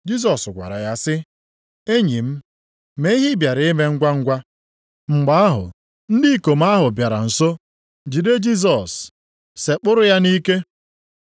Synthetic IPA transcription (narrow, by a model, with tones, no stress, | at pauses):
d͡ʒi˦s̬ɔ˨sɡʷa̰˨ɾa̰˨ja˦sɪ˦ | e˦ɲi˨m̩˦ | me˦i˦ɦi˦bja˨ɾɪ˨˦ɪ˦me˦ŋ̩˦ɡʷa˦ŋ̩˦ɡʷa˦ | ŋ͡m̩˨ɡ͡ba˦a˦ɦʊ̰˨ | n̩˦di˦˨ko˨m̩˦a˦ɦʊ˨bja˨ɾa̰˨n̩˨so˦ | d͡ʒi˨de˦d͡ʒi˦s̬ɔ˨sː | e˨k͡pʊ˦ɾʊ˦ja˦ni˦ke˦